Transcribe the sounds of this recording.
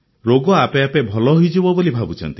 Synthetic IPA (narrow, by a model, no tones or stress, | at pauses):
ɾoɡɔapeapebʱɔlɔɦoijd͡ʒebɔbolibʱabut͡ʃʰɔ̰nt̪i